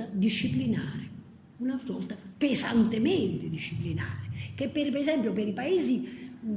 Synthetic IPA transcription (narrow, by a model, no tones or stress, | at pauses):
ad̪iʃːiplinaːɾɛ | unaɔlt̪apɛsa̰nt̪emɛnt̪ed̪iʃːiplinaːɾɛkepːeɾipɛzɛmpjopeɾipaeːzi